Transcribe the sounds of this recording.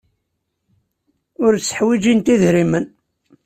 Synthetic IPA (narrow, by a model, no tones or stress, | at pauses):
ʊɾt͡sːə̥ħwid͡ʒint̪iðɾimən